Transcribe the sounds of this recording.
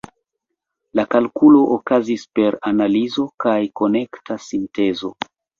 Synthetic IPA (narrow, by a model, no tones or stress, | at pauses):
lakalkulo̞ʔokazispe̞ɾanalizo̞kajko̞ne̞ktasinte̞zo̞̰